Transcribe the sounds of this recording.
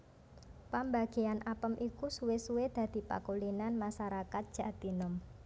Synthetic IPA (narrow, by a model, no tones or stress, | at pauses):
pambaɡ̥e̤anʔapəmʔikusuwesuwed̪̥a̤d̪̥i̤pa̰kulinanmasaɾakat̪̚dʒ̥a̤t̪inʊm